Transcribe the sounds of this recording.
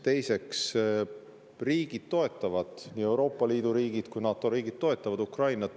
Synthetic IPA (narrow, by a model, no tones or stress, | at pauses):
t̪e̞jse̞ks | riːɡ̥id̪̥̚t̪o̞e̞t̪ːˑɑvɑd̪̥niːe̞wɾo̞ːpːˑɑliːd̪uɾiːɡid̪̥kujnɑːt̪ːˑo̞ɾiːɡ̥id̥̪̚t̪ːo̞e̞t̪ːˑɑvɑd̪ukrɑjnɑ